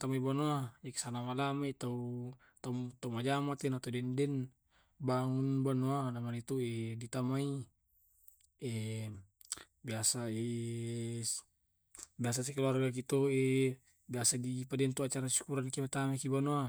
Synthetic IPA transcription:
t̪amaibanuaɛki̥sanamalamait̪au | t̪at̪aumad͡ʒamat̪inat̪adɛndɛn | baŋunbanualamanit̪uɛdit̪amai | ɛ | biasaɛ | bias̬asɛkluarɡak̬it̪uɛ | biasadipadɛnt̪uat͡ʃaɾasu̥kuɾankimat̪amaikibanua

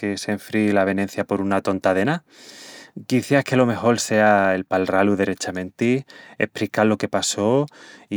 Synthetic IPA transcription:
kese̞ɱfɾilaβ̞e̞nẽ̞n̟θjapo̞ɾunat̪o̞nt̪aðena | kiθjahke̞lo̞me̞xo̞lse̞ae̞lpalraluðere̞t͡ʃamẽ̞nt̪iḛhpɾikalo̞ke̞paso̞i

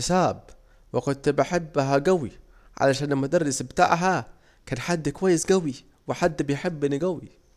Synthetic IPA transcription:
saːb | wɪkʊnt̪baħɪbːɦaɡawi | ʕa̰laʃaːnalmʊd̪ɑrˤːɪsbt̪a̰ːʕɦa | kaːnħad̪ːkʊwajːɪsɡawi | wɪħad̪ːbɪjħɪbːɪnːɪɡawi

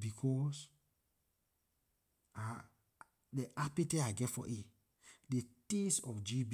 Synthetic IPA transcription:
bikʰɔs | a | deʔapiteaɡɛtfɔ̰ʔe | detesɔfd͡ʒib

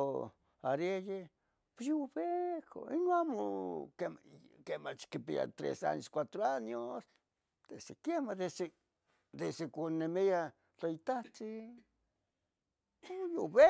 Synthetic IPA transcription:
aɾeje | posjoβekʰo̰inoamokekemat͡ʃkipḭa̰t̪ɾḛsa̰ɲoskʷat̪ɾoaɲos | d̪̥esekjemad̪ese | d̪esekʷonːemia | t͡ɬait̪at͡si | joβe

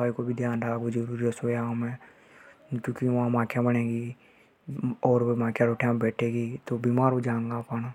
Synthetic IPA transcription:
aːikobʱid̪ʱjaːnɾaːɡod͡ʒəɾuːɾiəsoːaːmɛ̃ː | kũːkiʋɐɦãmãːkʰjãbənẽːɡi | ɔːɾmãːkʰjaɾoːʈʰejãmbɛːʈʰeːɡit̪obiːmaːɾod͡ʒãːŋɡapəna

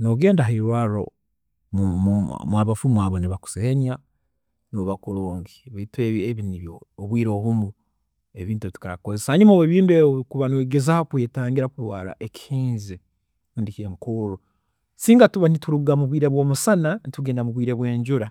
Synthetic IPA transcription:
noɡe̞ːndaɦeiɾwaːɾo̰ | umaβafumwaːβoniβaku̥seeɲa | noβakuɾoːŋɡiβaitweβeβiniβjooβwiːɾo̞ːβumu | e̞βiːntuβitu̥kaakozesahaɲumaeβiːndueikuβanweːɡe̞zaokweːtaːŋɡiɾakuɾwaːɾa̰ʔe̞ci̥hiːnzi | ndikeŋkuɾo | siːŋɡatuβanituɾuɡamuβwiːɾe̞βwo̞ːmusananituɡeːndamuβwiːɾe̞βwe̞ːɲɟuɾa

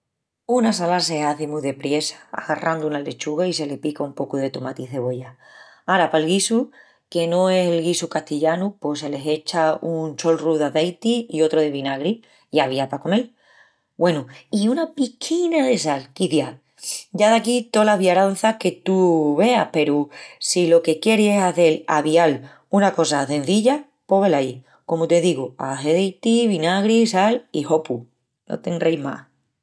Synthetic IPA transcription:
unasalase̞aθemuðe̞pɾje̞sḁa̰ɣarʔand̪uunale̞t͡ʃuɣais̬e̞le̞pikaumpo̞kuðe̞t̪umat̪iðe̞βo̞ʎa | aɾapalɣisu | ke̞nõe̞se̞lɣisukaht̪iʎanupo̞se̞le̞ɦe̞t͡ʃaunt͡ʃo̞lruðaðejt̪iio̞t̪ɾoðe̞βinaɣɾi | iaβ̞iapako̞ne̞l | bwe̞nuiunapikʰinaðe̞salkiθja | ɟ͡ʝaðakit̪o̞laɦβjaɾanθahke̞t̪uβe̞ahpe̞ɾusilo̞ke̞kje̞ɾie̞saθe̞la̰βial | unako̞sasẽ̞n̟θiʎa | po̞ɣelai | ko̞mut̪e̞ðiɣua̰θeðejt̪iβinaɣɾisaliho̞pu | no̰t̪e̞ŋɡɾejma̰h

